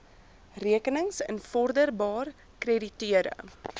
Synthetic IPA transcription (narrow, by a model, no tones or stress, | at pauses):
riəkənəŋsə̰nfɔrdərbɑːr | kreditiəɾə̰